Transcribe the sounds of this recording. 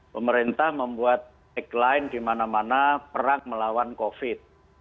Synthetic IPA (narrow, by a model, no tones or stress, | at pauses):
pəməɾint̪ahməmbuat̪̚ | ɛklaɪnd̪̥imanamanapəɾaŋməlawankofɪt̪̚